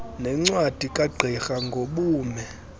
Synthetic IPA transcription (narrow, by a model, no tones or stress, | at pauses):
nɛŋ͡ǀwad̥ʱikʼaɡ͡ǀʱixaŋɡʱoɓuːmɛ